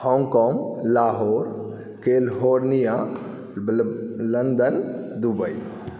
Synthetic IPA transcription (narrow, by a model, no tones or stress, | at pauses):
hɔŋɡkɔŋlaɦɔɾ | kelɦoɾnija | lənd̪ənd̪ubəj